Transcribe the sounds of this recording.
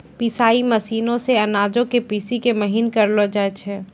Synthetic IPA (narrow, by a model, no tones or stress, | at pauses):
pisaːiməsiːnõseɐnaːd͡ʒõkepiːsikeməɦinkəɾlod͡ʒat͡ʃʰɛː